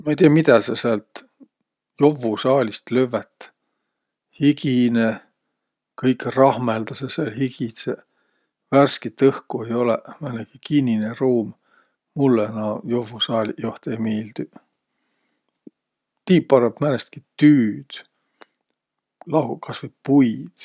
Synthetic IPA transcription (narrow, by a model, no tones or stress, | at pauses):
mɑejt̪iɑmid̪ɑseseɑlt̪ | jovːusɑːlʲist̪løvːet̪ː | hikine | kɤjkːrɑhmeld̪ɑsesehiɡise | værskit̪ːɤhkuejo̞lemænekikinʲːineruːm | mulːenɑjovːusɑːlʲijoht̪ejmiːld̪̥y | t̪iːpːɑɾeb̥mænest̪̚kit̪yːd̪̥ | lɑɦukʰɑsvet̪̚pujd̪̥